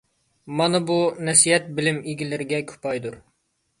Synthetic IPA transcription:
mɑnɨbunɛsiɛt̪̚bɪlɪmiɡʲilɪɾɪɡʲɛkʲʰy̥pʰɑjd̪uɾ

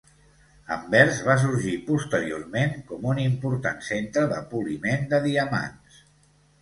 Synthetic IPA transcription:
ə̰mbɛɾzβas̬uɾʒipust̪əɾio̰rmeŋkɔmunimpuɾt̪a̰nsent̪ɾəðəpulimend̪əðiəma̰ns

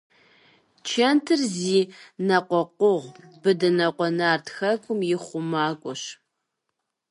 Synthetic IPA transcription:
t͡ʃʰɐntʰɨrziːnɐqʷɔqʷʊʁbɨdɐnɐqʷɔnaːrtʰxɐkʷʰʼʊmjɪχʷʊmaːkʷʼɔɕ

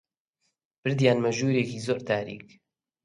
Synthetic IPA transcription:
b̥ɨɾd̪jaːnmɐʒuːɾeːkiːzoːɾt̪ʰaːɾḭːk

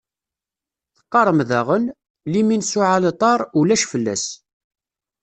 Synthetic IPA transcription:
θə̥qːɑɾˤəmðæʁən | liminsʊʕalət̪ˤɑɾˤulæʃfəlːæ̰s

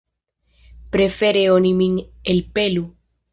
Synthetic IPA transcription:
pɾe̞fe̞ɾeonimiŋelpelu

